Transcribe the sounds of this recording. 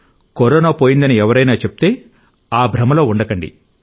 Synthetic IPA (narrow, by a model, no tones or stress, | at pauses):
kɔɾɔːnaːpo̞ːjind̪ɐniɛʋɐɾɐjnaːt͡ʃe̞pu̥t̪e̞ː | aːbʱɾɐmɐlo̞ːuɳɖɐkɐɳɖḭ